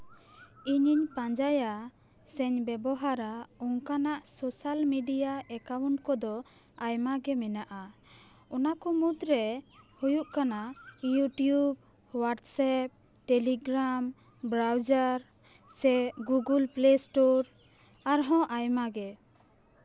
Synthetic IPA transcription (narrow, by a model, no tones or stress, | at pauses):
iɲiɲpãɲd͡ʒaja | sɛɲbɛbɔɦaɾaɔŋkanaʔsɔsalmiɖijaɛkawunkɔd̪ɔ | ajmaɡɛmɛnaʔa | ɔnakɔmud̪ɾɛhujuʔkanajuʈijub̚ | waʈsɛp̚ | ʈɛliɡɾam | bɾawd͡ʒaɾ | sɛɡuɡulplesʈoɾ | aɾɦɔ̃ʔajmaɡɛ